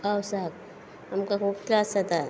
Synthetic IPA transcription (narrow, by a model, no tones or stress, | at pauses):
awsak̚ | amkakʰup̚klasat̪a